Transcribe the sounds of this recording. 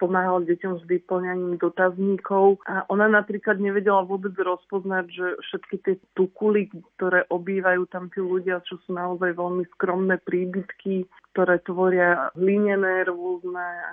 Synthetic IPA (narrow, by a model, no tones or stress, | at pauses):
pɔmaːɦalɟɛcɔmʒʋ̪ipl̩ɲaɲiːmd̪ɔt̪azɲikɔʊʔaʔɔnanapɾiːklad̪ɲɛʋɛɟɛlaʋʊɔbɛd͡zɾɔspɔznaɟʒɛfʃɛt̪kit̪ɪɛt̪ukulikt̪ɔɾɛːʔɔbiːʋajuːt̪amt̪iːluɟɪat͡ʃɔsuːnaɔzajʋɛʎmiskɾɔmnɛːpɾiːbit̪kikt̪ɔɾɛːt̪ʋɔɾɪaɦliɲɛnɛːɾɔznɛːa̰